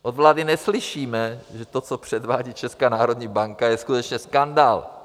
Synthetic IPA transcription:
ʔod̪vlaːdɪnɛslɪʃiːmɛʒɛt̪ot͡sopr̝̥ɛd̪vaːɟiːt͡ʃɛskaːnaːɾo̞d̪ɲiːbaŋkajɛskut̪ɛt͡ʃɲɛskandaːl

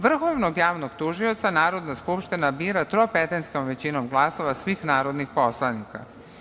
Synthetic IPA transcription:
ʋr̩xoʋnoɡjaːʋnoɡt̪uʒiot̪sanaːɾod̪naskupʃt̪inabiːɾat̪ɾopet̪anskomʋet͡ɕinomɡlˠaso̞ʋasʋiːxnaːɾod̪nixposlˠanika̰

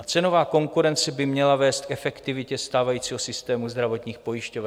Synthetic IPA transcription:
t͡sɛno̞vaːko̞ŋkuɾɛnt͡sɛbɪmɲɛlavɛːst̪̚kɛfɛkt̪ɪvɪcɛst̪aːvajiːt͡siːɦosɪst̪ɛːmuzd̪ɾavo̞t̪ɲiːxpo̞jɪʃcovɛ

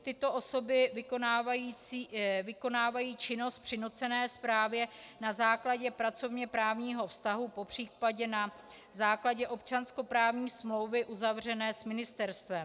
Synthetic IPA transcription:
t̪ɪt̪o̞ʔo̞so̞bɪvɪkonaːvajiːivɪko̞naːvajiːt͡ʃɪno̞st̪̚pr̥ɪnut͡sɛnɛːspɾaːvjɛnazaːklaɟɛpɾat͡so̞vɲɛpɾaːvɲiːɦo̞fst̪aɦupo̞pr̝̥iːpaɟɛna | zaːklaɟɛʔo̞pt͡ʃansko̞pɾaːvɲiːsmlo̞wvɪʔuzavr̝ɛnɛːsmɪnɪst̪ɛɾst̪vɛm

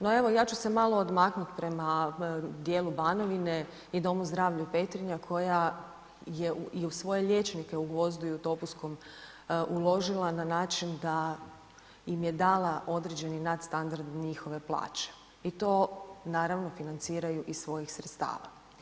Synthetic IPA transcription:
noe̞ʋo̞jaːt͡ʃuse̞malˠo̞ːd̪maknut̪pɾe̞mad̪jeːlˠubaːno̞ʋine̞ | id̪o̞muzd̪ɾaːʋʎupe̞t̪ɾiɲakʰo̞ja | je̞ʔuiusʋo̞je̞ʎe̞t͡ʃnike̞uɡʋo̞zd̪uiut̪o̞busko̞m | ʔulo̞ʒilˠananaːt͡ʃind̪a | imje̞d̪aːlˠaʔo̞d̪ɾed͡ʑe̞ninad̪st̪and̪aɾd̪ɲixoʋe̞plˠa̰ːt͡ɕe̥ | it̪o̞ːnaːɾaʋno̞finant̪siːɾajuʔisʋo̞jixsɾet̪st̪a̰ːʋa̰

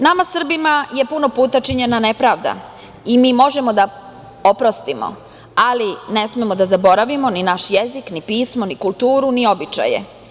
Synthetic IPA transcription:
namasr̩bimaje̞puno̞puːt̪at͡ʃiɲe̞nane̞pɾaːʋd̪a̰ | imiːmo̞ʒemo̞d̪a | opɾo̞st̪imo̰ | aline̞smemo̞d̪azabo̞ɾaʋimo̞ninaʃje̞ziknipiːsmo̞nikulˠt̪uːɾunio̞bit͡ʃa̰jḛ

